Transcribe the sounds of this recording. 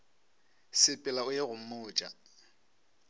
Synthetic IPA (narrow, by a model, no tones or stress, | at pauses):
sɪpʼɪlaʊeɣʊm̩mʊːt͡ʃʼa